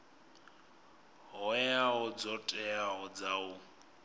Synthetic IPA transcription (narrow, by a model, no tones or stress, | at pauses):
ɦɔjaɦɔd͡zɔtʼɛaɦɔd͡zaʊ